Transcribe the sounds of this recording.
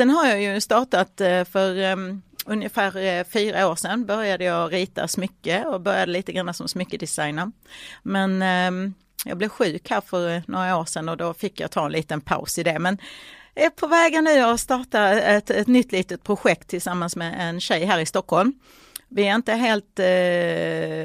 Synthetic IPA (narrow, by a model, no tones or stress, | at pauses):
sɛnɦaɾjɑːjɵst̪ɑːʈat̪fœɾ | ɵnjəfæːɾfyːɾaoːʂɛnbœɾjad̪əjɑɾiːt̪a̰smʏkːəɔbœɾjad̪əliːt̪əɡɾanːasɔmsmʏkːəd̪ɪsajnəɾmɛn | jɑ̰ɡblɛvɧʉ̟ːkhæːɾfœɾnoːɾaoːʂɛnɔd̪ɔfɪkːjɑ̰t̪ʰɑːɛnliːt̪ənpʰa̰ʊsɪd̪ɛmɛnɛpʰɔvɛːɡanːʉ̟ːɔst̪ɑːʈaɛt̪ɛt̪nʏt̪ːliːt̪ət̪̚pʰɾʊɧɛk̚t̪ʰːɪlsamːansmɛʔɛnɕɛjɦæːɾɪst̪ɔkhɔlm | vɪɛɾɪnt̪əɦeːlt̪